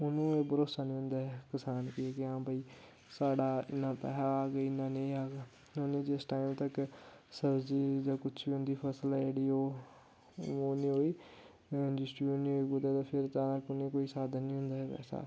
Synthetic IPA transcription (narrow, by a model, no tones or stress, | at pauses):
ʊnõːeːbəɾoːsaːnĩːɦʊ̃nd̪aːɦɛkəsaːnkiekɪãːbəiː | saːɽaːɪnːãːpɛ̰ːɦaːaːɡeːɪnãːnẽĩaːɡaː | onẽːd͡ʒesʈaːimt̪ək | səbd͡ʒiːd͡ʒãːkʊt͡ʃʰbiːʊnd̪iːpʰəsəlɛd͡ʒeːɽiːoː | oːnĩːɦoːiː | d͡ʒɪsʈboːnĩɦoːiːkʊd̪aːt̪ãːpʰɪɾt̪aːnaːkʊnẽːkoːiːsaːd̪anĩːɦʊ̃nd̪aːɦɛpɛ̰ːsa̰ː